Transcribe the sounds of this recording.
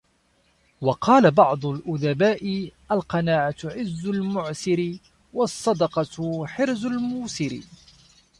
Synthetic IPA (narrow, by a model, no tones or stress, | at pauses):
wɑqʰɑːlabɑʕd̪ˤʊlʔʊðabaːʔɪʔalqɑnaːʕat̪ʕɪzːʊlmʊʕsɪɾɪ | wɑsˤːɑd̪ɑqɑħɪɾzʊlmuːsɪɾḭ